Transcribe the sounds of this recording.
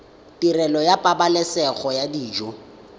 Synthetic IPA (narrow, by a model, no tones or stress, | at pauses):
tʼirɛlɔjapʼabalɛsɛɣɔjadiːd͡ʒɔ